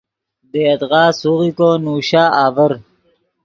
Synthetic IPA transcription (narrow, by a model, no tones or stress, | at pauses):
d̪eːɐt̪ɣaːsuɣikoːnuːɕaːaːvɐɾ